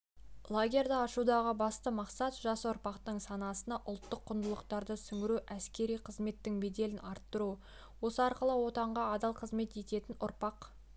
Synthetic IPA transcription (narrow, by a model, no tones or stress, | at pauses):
lˠaɡʲe̞ɾd̪ɑɑʃud̪ɑʁəbɑst̪əmɑqsɑt̪ʒɑswoɾpɑqt̪əɴsɑnɑsənɑʔʊlˠt̪ːəqʰːʊnd̪əlˠəqt̪ɑɾd̪əsʏŋɡʲɪɾuʔæskʲe̞ɾijqʰəzme̞t̪ːɪŋme̞d̪e̞lɪnɑɾt̪ːəɾu | wo̞səɑɾqəlˠəwo̞t̪ɑɴʁɑːd̪ɑlˠqʰəzme̞t̪e̞t̪e̞t̪ɪnʊ̰ɾpɑq